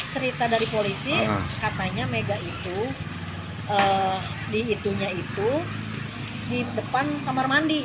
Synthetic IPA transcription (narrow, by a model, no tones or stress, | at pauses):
t͡ʃəɾit̪adaɾipolisikat̪aɲameɡait̪u | ə | diːt̪uɲait̪u | didəpant̪amarmandi